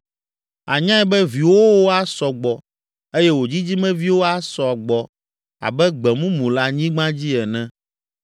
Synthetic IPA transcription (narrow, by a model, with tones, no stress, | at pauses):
a˨ɲã˦ɛ˦bɛ˦vi˨wo˦wo˦a˦sɔ˨ɡ͡bɔ˨ | e˦jɛ˦wo˨d͡ʑi˦d͡ʑi˦mɛ̃˦vi˦wo˦a˦sɔ˨a˨ɡ͡bɔ˨ | a̰˨bɛ˦ɡ͡bɛ˨mũ˦mũ˨la˦ɲĩ˦ɡ͡bã˦d͡ʑi˦ɛ˨nɛ̃˦